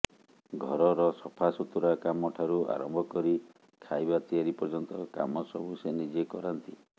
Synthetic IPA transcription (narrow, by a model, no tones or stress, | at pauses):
ɡʱɔɾɔɾɔsɔpʰasut̪uɾakamɔʈʰaɾua̰ɾɔmbʱɔkɔɾi | kʰajbat̪iaɾipɔɾd͡ʒɔnt̪ɔka̰mɔsɔbʱusenid͡ʒekɔɾant̪i